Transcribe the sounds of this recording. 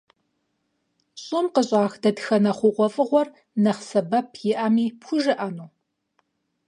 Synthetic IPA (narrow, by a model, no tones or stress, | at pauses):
ɕʼɪmqəɕʼaːxdɐdxɐnɐχʷʊqʷɔfʼɨʁʷɔr | nɐχsɐbɐpʰjɪʔamiːpxʷʊʒɨʔɐnuː